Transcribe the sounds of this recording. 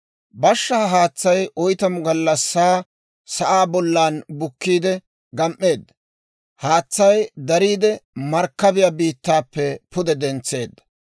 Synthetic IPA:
bɐʃːɐɐɦaːt͡sːɐjʔɔjt̪ɐmʊɡɐlːɐsːaː | sɐʔaːbɔlːaːnbʊkːiːd̪ɛ | ɡɐmʔːe̞ːd̪ːɐ | haːt͡sːɐjd̪ɐɾiːd̪ɛmɐɾkːɐbɪjabiːt̪ːaːpːɛpʊd̪ɛd̪ɛnt͡sːe̞ːd̪ːɐ̥

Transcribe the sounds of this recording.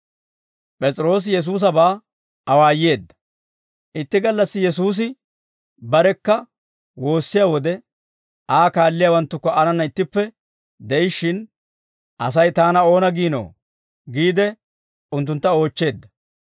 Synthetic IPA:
pʼɛt͡sʼɾo̞ːs̬jɛs̬uːs̬ɐbaː | ɐwaːjːe̞ːd̪ːɐ̥ | ʔɪt̪ːɪɡɐlːɐsːɪjɛs̬uːs̬ɪ | bɐɾɛkːɐ | wo̞ːsːɪjaːwɔd̪ɛ | ʔaːkaːlːɪjaːwɐnt̪ːʊkːɔʔɐnɐnːɐɪt̪ːɪpːɛ | d̪ɛjɪʃːɪn | ʔɐ̰s̬ɐjt̪aːnɐo̞ːnɐɡiːno̰ː | ɡiːd̪ɛ | ʊnt̪̬ːʊnt̪ːɐo̞ːt͡ʃːe̞ːd̪ːɐ

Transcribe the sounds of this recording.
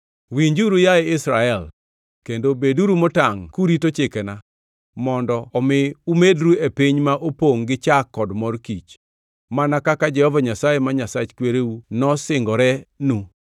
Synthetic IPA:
wiɲd͡ʒuɾujaeɪsɾaɛl | kendobeduɾumotaŋkuɾitot͡ʃekena | mɔndɔːmɪumedɾuepiɲmaʔopoŋɡɪt͡ʃakːɔdmɔrkit͡ʃ | manakakad͡ʒɛhɔvaɲasajemaɲasat͡ʃkweɾeunɔsɪŋɡɔɾɛnu

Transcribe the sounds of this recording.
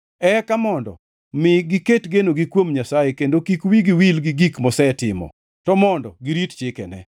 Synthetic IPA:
ɛkamɔndɔ̰ | mɪɡiketɡenoɡikwomɲasajekendokikwiɡiwilɡiɡikmɔsɛtɪmɔ̰ | tɔmɔndɔ̰ɡiɾitt͡ʃɪkɛnɛ̰

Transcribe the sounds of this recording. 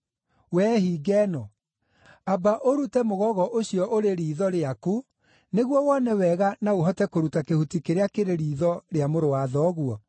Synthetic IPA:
wɛːhiːɡɛnɔ | abaʔoɾutɛmoɣɔɣɔʔoɕijɔʔoɾeɾiːðɔɾeaku | neɣwɔwɔnɛwɛɣanaoɦɔtɛkoɾutakehutikeɾeakeɾeɾiːðɔɾeamoɾowaðɔɣuɔ

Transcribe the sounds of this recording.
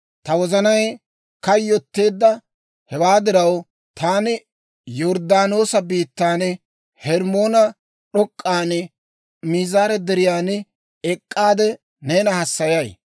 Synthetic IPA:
t̪ɐwɔzɐnɐj | kɐjːɔt̪ːe̞ːd̪ːɐ | hɛwaːd̪ɪɾɐw | t̪aːnɪ | jɔɾd̪aːno̞ːsɐbiːt̪ːaːn | hɛɾmo̞ːnɐ | ɗɔkʼːaːn | miːzaːɾɛd̪ɛɾɪjaːn | ɛkʼːaːd̪ɛ | neːnɐhɐsːɐjɐj

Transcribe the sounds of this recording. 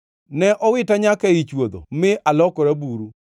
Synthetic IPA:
nɛʔɔwɪtaɲakɛit͡ʃwod̪o̰mɪʔalɔkɔɾabuɾu

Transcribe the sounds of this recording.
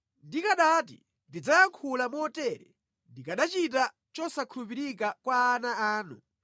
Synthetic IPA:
ndikaɗatḭ | ndid͡zajaŋkʰulamɔtɛɾɛ̰ | ndikaɗat͡ʃit̬a | t͡ʃɔsakʰulupiɾik̬akwaːnaaːnu

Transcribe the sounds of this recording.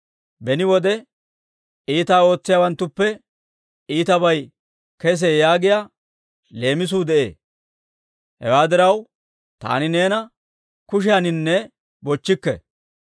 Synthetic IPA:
bɛnɪwɔd̪ɛ | iːt̪aːo̞ːt͡sːɪjaːwɐnt̪ːʊpːɛ | iːt̪ɐbɐj | kɛs̬ɛjaːɡɪja | le̞ːmɪs̬uːd̪ɛʔḛː | hɛ̰waːd̪ɪɾɐw | t̪a̰ːnɪne̞ːnɐ | kʊʃ̬ɪjanɪnːɛ | bɔt͡ʃːɪkːɛ̰

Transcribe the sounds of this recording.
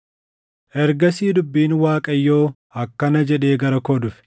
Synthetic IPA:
ʔɛɾɡɐsiːd̪ʊbːiːnwaːkʼɐjːo̞ː | ɐkːɐnɐd͡ʒɛᶑe̞ːɡɐɾɐkɔd̪ʊfɛ̥

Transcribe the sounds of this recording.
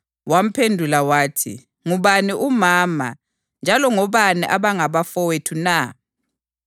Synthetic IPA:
wam̩pʰendʱulawaːtʰḭ | ŋuβaniʔumaːma̰ | nd͡ʒʱalɔŋɔβanɛʔaβaŋaβafɔwetʰuna

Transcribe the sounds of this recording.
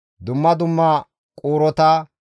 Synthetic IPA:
d̪ʊmːɐd̪ʊmːɐ | kʼuːɾɔt̪a

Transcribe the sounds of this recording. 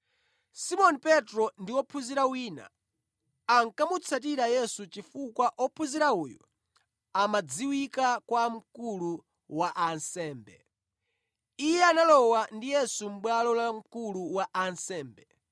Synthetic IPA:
simɔnpɛtɾɔndiwɔpʰuziɾawiːna̰ | aŋkamut͡sʰat̬iɾajɛsut͡ʃifukwaʔɔpʰuziɾauːjɔ̰ | amad͡ziwikakwam̩kulu | waʔansɛːmbɛ̰ | ijɛanalɔwandijɛsum̩ɓwalɔlam̩kuluwaʔansɛːmbɛ

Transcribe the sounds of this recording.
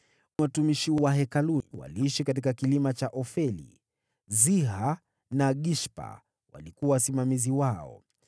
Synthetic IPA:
watumiʃiwaɦɛkaluwa̰liiʃikat̬ikakilimat͡ʃaʔɔfɛlḭ | ziɦa | naɠiʃpa̰ | wʔa̰likuwawasimamiziwaɔ̰

